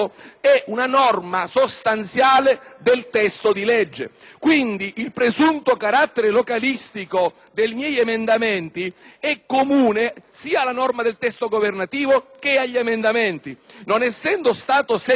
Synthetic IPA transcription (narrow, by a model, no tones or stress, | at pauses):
ɛʔunanɔrmasost̪ant̪sjaːled̪elt̪ɛst̪od̪ilɛd͡ʒːḛ | kwind̪iʔilpɾezunt̪okaɾat̪ːeɾelokalist̪iko | d̪ejmjɛjemend̪amɛnt̪iɛkːomuːnesiːaːlːanɔrmad̪elt̪ɛst̪oɡovernat̪iːvok̟eaʎːemend̪ameɛnt̪inonɛsːɛnd̪ost̪aːt̪osɛ